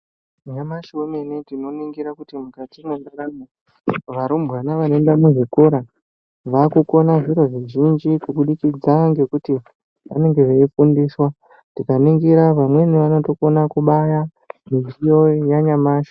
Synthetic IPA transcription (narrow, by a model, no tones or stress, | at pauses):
ɲamaʃomenetino̞niŋɡiɾakutimukatimwendakano | ʋaɾumbwanaʋanendamuʐikuɾa | ʋakuko̞naʐiɾo̞ʐiʒind͡ʒikuɓuɗikid͡zaaŋɡe̞kuti | ʋa̰ne̞ŋɡe̞ʐeifundiːswa | tikaniŋɡiɾaʋamwe̞niʋano̞to̞konakuɓaja | minijo̞jaɲamaːʃo